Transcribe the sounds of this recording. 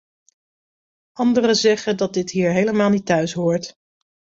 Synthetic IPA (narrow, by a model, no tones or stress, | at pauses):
ʔɑndərəzɛχəndɑt̚dɪtɦiːɹɦejləmaːlˠnitœɥsɦʊːɹt